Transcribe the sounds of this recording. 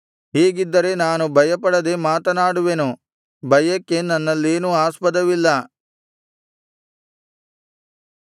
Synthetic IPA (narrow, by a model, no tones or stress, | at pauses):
ɦeːɡid̪ːɐɾe̞naːnubʱɐjɐpɐɽɐd̪e̞maːt̪ɐnaːɽuʋenu | bʱɐjɐkːe̞nɐnːɐlːeːnuaːspɐd̪ɐʋilːɐ